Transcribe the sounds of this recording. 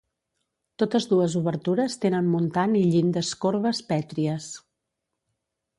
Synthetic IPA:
t̪ot̪əzðuəzuβəɾt̪uɾəst̪enənmunt̪aniʎind̪əskoɾβəspɛt̪ɾiəs

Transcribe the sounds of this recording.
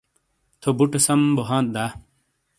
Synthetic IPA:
t̪ʰobuʈɐsɐmboɦãːt̪̚d̪aː

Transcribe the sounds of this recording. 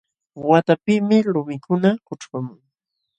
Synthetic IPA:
wat̪apɪmɪlʊmɪkʰʊnakʊʈ͡ʂwamʊŋ

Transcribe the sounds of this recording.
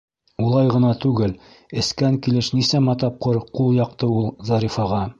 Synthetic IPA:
ulˠɑjʁɤ̆nɑt̪ʉɡɘl | ɘ̆skæŋkilɘʃnisæmɑt̪ɑp̚qɤɾqulˠjɑqt̪ɤulˠzɑɾifɑʁɑ

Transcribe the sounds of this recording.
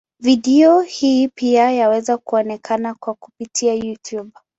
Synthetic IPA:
viɗiɔhiːpiajawɛzakuɔnɛkʰanakwaku̥pitʰiajutʰub̚

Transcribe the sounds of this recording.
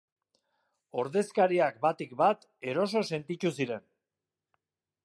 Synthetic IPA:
o̞ɾðe̞skaɾiak̚bat̪ikbat̪ | e̞ɾo̞s̬o̞se̞nt̪it͡ʃ̪usiɾe̞n

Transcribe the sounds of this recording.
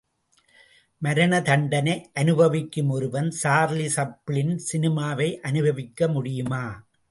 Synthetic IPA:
mɐɾɐnɐt̪ɐɳɖɐnɐɪʔɐnɯbɐʋɪkːɯmɔɾɯʋɐnsaːɾlisɐpːɪɭɪnsɪnɪmaːʋɐɪʔɐnɯbʱɐʋɪkːɐmʊɽɪjɯmaː

